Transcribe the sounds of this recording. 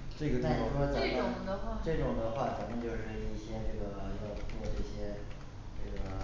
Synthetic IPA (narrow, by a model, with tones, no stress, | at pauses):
ʈ͡ʂɤ˥˩ɡə˩t̪i˥˧˩o˥˩ʂwɔ˥t͡sa˨˩˦pʊ˨˥˧ŋd̪ə˧wa˥˧˩ʈ͡ʂɤ˥˩ʈ͡ʂʊ˨˩ŋd̪ə˧˦xwa˥˩t͡sa˨˩˥mjnt͡ɕjo˥˧ʊʂɻ̩˥˧i˥˩ɕjɛ˥ʈ͡ʂɤ˥˩ɡə˩˧jɑ˥˧ʊt͡swɔ˥˧ʈ͡ʂɤ˥˩ɕjɛ˥ | ʈ͡ʂɤ˥˩ɡə˩